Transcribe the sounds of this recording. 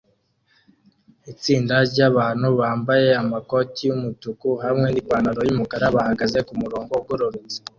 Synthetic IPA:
it͡siːndaɾɟaβaːnhuβaːmbaje̞amako̞tijumutukuɦamŋe̞nikwaːnaɾojumukaɾaβahaɡaze̞kumuɾo̞ːŋɡoɡuɾoɾizi

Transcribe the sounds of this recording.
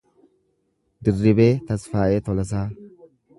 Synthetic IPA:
d̪ɪrːɪbe̞ːt̪ɐsfaːʔeːt̪ɔlɐs̬aː

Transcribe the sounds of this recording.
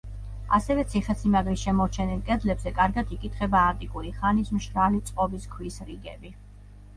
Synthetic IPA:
a̰sɛvɛt̪sʰiχɛtsimaɡɾiʃɛmɔɾt͡ʃʰɛnilˠkʼɛd̪lɛbzɛkʼaɾɡad̪ikʼit̪ʰχɛbaːnt̪ʼikʼuɾiχanismʃɾalit̪sʼqʼɔbiskʰwisɾiɡɛbi

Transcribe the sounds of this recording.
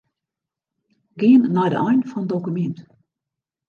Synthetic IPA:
ɡɪənːajdə̰ʔɛjnfɔnədowkymɛnt

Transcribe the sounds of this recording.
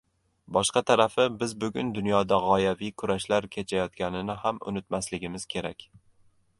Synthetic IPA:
bɒʃqɑt̪ʰaɾafɪbɪzbʊɡʲʊnd̪ʊnjɒd̪aʁɒjavijkʰʊɾaʃlaɾkʲʰe̞t͡ʃʰajɒt̪̚kʲʰanɪnɪhamʊ̰nɪt̪maslɪɡʲɪmɪz̥kʲʰe̞ɾakʲ

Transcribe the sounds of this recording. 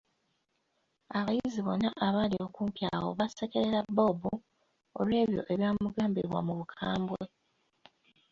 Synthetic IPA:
aβajiziβo̞nːaʔaβaːlio̞kuːmpja̰wo̞̰βasekeɾeɾabːo̞bu | o̰lwe̞ːβjo̞̰ʔe̞βjaːmmuɡaːmbḭβwa̰muβukʰaːmbwe

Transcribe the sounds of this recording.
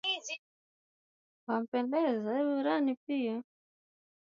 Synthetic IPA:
izi | βam̩pɛndɛzaβuɾanipija

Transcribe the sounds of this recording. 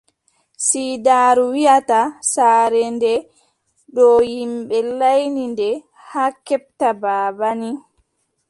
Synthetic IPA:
siːdaːɾuwijatasaːɾɛndɛ | ɗɔjimɓɛlajnindɛ | hakːɛp̚tabaːbani

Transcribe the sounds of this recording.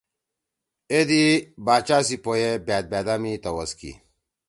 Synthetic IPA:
ed̪ibaːt͡ʃaːsipojebaːt̪̚bad̪amit̪ɐwɐskḭ

